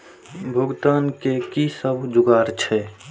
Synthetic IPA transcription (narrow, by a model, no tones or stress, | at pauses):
bʱʊɡt̪aːnkekisəbʱd͡ʒʊɡaːɾt͡ʃʰɛ